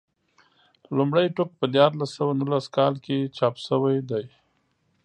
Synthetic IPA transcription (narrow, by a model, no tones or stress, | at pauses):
lumɽajʈʊk̚pəd̪jɑɾlasːəwanulaskɑlket͡ʃɑːpsəwajd̪aj